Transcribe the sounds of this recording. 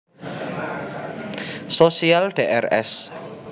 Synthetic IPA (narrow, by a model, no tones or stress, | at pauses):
sosialɖ̥eʔɛrɛ̰s